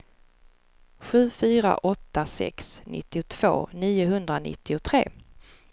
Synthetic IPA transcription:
ɧʉ̟ːfyːɾa̰ʔɔt̪ːasɛ̰ksnʔɪ̰t̪ːɪʊt̪ʰv̥o̰ːniːʊɦɵnd̪ɾanɪ̰t̪ːɪʊt̪ʰɾeː

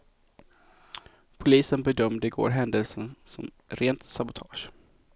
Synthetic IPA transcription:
pʰʊliːsənbɛd̪œmd̪əɪɡo̰ːɾɦɛnd̪əlsənsɔ̰m | ɾeːnt̪sabʊt̪ʰɑːʂ

